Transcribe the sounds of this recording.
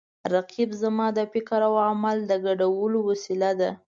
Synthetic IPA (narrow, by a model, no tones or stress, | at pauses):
ɾaqibzamɑd̪əfɪkaɾawamald̪əɡaɖawəlowasilad̪a